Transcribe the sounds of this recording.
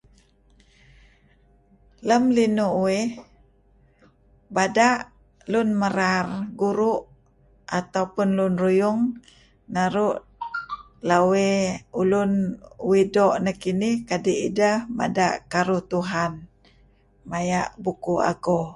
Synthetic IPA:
ləmlinuʔwwe | badaʔ | lʊnməɾarɡuɾuʔ | ʔat̪awpʊnlʊnrujʊŋ | naɾʊʔ | laweulʊnwidoʔnakinɪhkadiʔidəhma̰da̰ʔkaɾʊht̪uɦan | majaʔbukua̰ɡo

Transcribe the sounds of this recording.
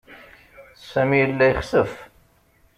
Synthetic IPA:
sæmijəlːæjəχsəf

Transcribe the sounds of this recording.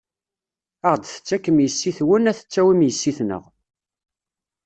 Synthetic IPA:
əʁd̪θə̥t͡sːækːəmjəsːiθwənæθə̥t͡sːæwimjəsːiθnə̰ʁ

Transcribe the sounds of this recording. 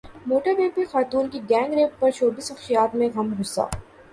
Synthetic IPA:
moːʈəɾbɛ̃ːpixaːt̪uːnkiɡɛ̃ːŋɡɾeːʈ̚pɐɾt͡ʃʰoːbɪsɐxʃijaːt̪mẽɣɐmɦʊɾsa̰ː

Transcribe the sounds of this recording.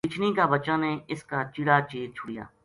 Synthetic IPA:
kɪt͡ʃʰniːkaːbət͡ʃãːneːɪskaːt͡ʃɪɽaːt͡ʃeːzt͡ʃʰʊɽɪja̰ː

